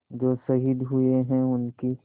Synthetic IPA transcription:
d͡ʒoːsɐɦid̪ɦʊeɦɛ̃ʊnki

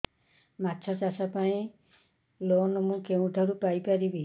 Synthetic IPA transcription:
matːt͡ʃʰɔsasapaĩ | lonɔmũkeũʈʰɔɾupajpaɾibi

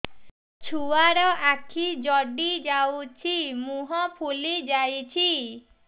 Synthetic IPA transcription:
t͡ʃʰuwaɾɔʔakʰid͡ʒɔɖid͡ʒawt͡ʃʰimuɦɔpʰulid͡ʒajt͡ʃʰi

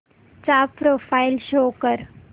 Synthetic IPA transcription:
t͡sapɾofajlɕokəɾ

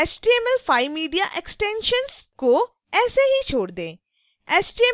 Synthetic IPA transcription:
ɛsʈiːemɛlpʰaːimiːɖijaʔeksʈẽːnʃənsko | ɛːseɦit͡ʃʰoːɽd̪ẽː | ɛːsʈie

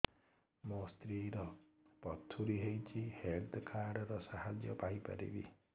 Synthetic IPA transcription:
mɔst̪ɾiɾɔpɔt̪ʰuɾiɦejt͡ʃʰihelt̪ʰkʰaɾɖɾɔsaɦad͡ʒjɔpaɦipa̰ɾḭbḭ

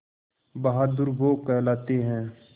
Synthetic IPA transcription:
bɐɦaːd̪ʊɾboːkɛɦlaːt̪eɦɛ̃ː

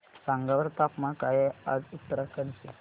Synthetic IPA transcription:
sãŋɡaʋəɾt̪apmakajad͡zut̪ːəɾakənse

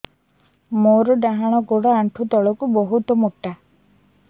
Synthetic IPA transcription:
moɾɔɖaɦaɽ̃ɔɡoɽaaɳʈʰut̪ɔɭɔkubɔɦut̪ɔmuʈːa

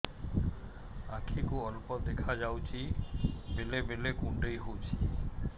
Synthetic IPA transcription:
akʰikuɔlpɔd̪ekʰad͡ʒawt͡ʃʰibelebelekuɳɖejɦowt͡ʃʰi̥

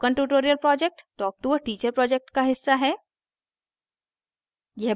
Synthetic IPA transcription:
kɐ̃ɳʈuːʈoːɾijəlpɾɔːd͡ʒek̚ʈʈɔːk̚ʈuʋəʈiːt͡ʃəɾpɾɔːd͡ʒek̚ʈkaɦɪsːaɦɛː | jɛɦ

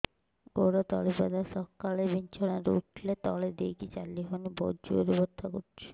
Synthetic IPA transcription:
ɡoɾat̪ɔlipad̪asɔkalebʱint͡ʃɔnaɾ̰uʈʰlet̪ɔled̪ekit͡ʃalːiɦɔnibo̰d͡ʒuo̰ɾibɔɾt̪ʰakoɾt͡ʃʰi̥

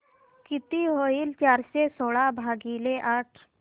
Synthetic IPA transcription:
kit̪iɦoiːlt͡ɕaɾsesoɭabʱaɡileʔaʈʰ

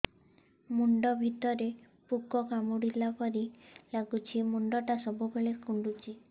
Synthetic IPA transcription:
muɳɖɔbʱit̪ɔɾe | pukɔkamuɽilapɔɾilaɡut͡ʃʰimuɳɖɔʈasɔbʱubeɭekuɳɖut͡ʃi

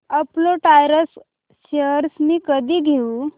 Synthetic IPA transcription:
əploʈajɾəs | ɕəɾsmiːkəd̪ʱiːɡʱeu

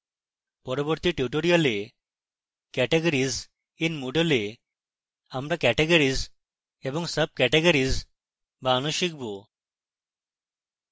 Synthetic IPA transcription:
pɔɾɔbɔɾt̪iːʈjuʈoɾijɔle | kɛʈeɡəɾid͡z | inmoɖəle | amɾakɛʈeɡəɾid͡z | ebɔŋɡsəb̚kɛʈeɡəɾiːd͡z | bañoɕik̚bo

